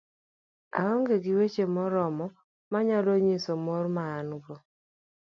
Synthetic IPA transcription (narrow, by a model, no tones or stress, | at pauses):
a̰ɔŋɡeɡɪwet͡ʃemɔɾɔmɔ | maɲaloɲisomɔɾmaːnɡo